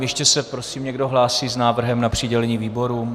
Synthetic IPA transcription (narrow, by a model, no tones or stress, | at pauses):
jɛʃcɛsɛpɾo̞siːmɲɛɡdoɦlaːsiːznaːvr̩ɦɛmnapr̥ɪɟɛlɛɲiːviːbo̞ɾuːm